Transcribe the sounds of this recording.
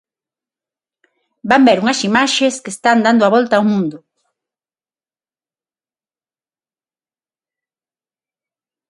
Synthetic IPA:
bambeɾuŋɐsimaʃeskest̪and̪and̪ʊaβɔlt̪aːuwmũnd̪ʊ

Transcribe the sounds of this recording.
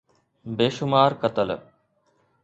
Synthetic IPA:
beːʃʊmaːɾkət̪əl̰

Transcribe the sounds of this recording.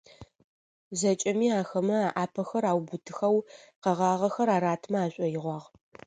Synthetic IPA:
zɐt͡ʃʼɐmiːaːxɐmɐaʔaːpʰɐxɐɾaːwbʊtʰɨxɐwqɐʁɑːʁɐxɐɾaːɾaːtʰmɐaːɕʷʼɔjɪʁʷɑːʁ

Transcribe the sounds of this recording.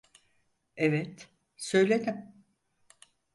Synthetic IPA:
evɛt̪ | sø̞jlʲed̪im

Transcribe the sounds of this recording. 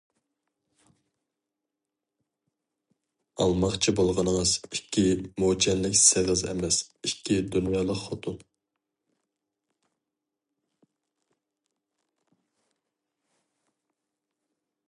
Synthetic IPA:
ɑ̰lˠmɑχt͡ʃʰibolˠʁɑnəŋəzikʲʰːimod͡ʒɛnlɪkʲsɪʁɨzɛ̰mɛsikʲʰːid̪unjɑːlˠəqχɑt̪ʰun

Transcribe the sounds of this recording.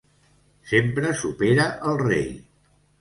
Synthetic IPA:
sempɾəsupeɾəʔəlˠrḛj

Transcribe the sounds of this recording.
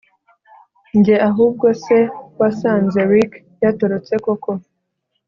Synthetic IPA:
ɲɟe̞ʔaɦuːb̚ɡo̞se̞wasaːnze̞ɾik | jato̞ɾo̞t͡se̞ko̞ko̞

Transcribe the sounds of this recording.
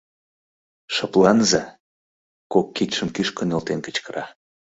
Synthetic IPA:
ʃə̆plɑnzɑ | kokːit̪ʃəmkyʃkənelt̪enkə̥̆t͡ɕkəɾɑ

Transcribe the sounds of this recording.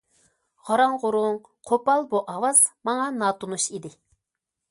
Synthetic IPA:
ʁɑɾɑŋʁʊɾʊŋ | qʰopɑlˠbuʔɑwɑz̥mɑŋɑnɑːt̪unuʃid̪ɪ

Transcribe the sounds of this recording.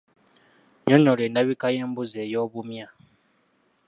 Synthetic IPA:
ɲoɲoleːndaβikaje̞ːmbuzeːjo̞ːβumja

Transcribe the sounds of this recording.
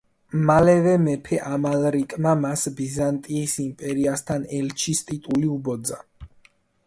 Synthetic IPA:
malɛvɛmɛpʰɛʔamalɾikʼmamasbizant̪ʼiːsimpʼɛɾiast̪ʰanɛlt͡ʃʰist̪ʼit̪ʼuliubɔd̪za

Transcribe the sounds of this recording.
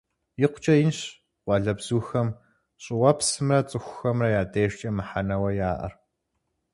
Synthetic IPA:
jɪqʷʊ̥t͡ʃʼɐjɪnɕ | qʷɑɮɐbz̥uːxɐm | ɕʼɪwɐpsɨmrɐt͡sʼɨxʷʊxɐmrɐjaːdeːʃt͡ʃʼɐmɨħanɐwɐjaːʔɐ̰r

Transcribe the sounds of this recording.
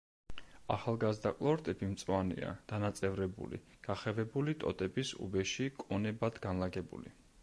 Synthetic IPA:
aχalˠɡazd̪akʼlˠɔɾt̪ʼɛbimt̪sʼwanḭa̰d̪̥anat̪sʼɛvɾɛbṵlḭɡ̥aχɛvɛbulit̪ʼɔ̰t̪ʼɛbisṵbɛʃikʼɔnɛbad̪ɡanlaɡɛbṵlḭ

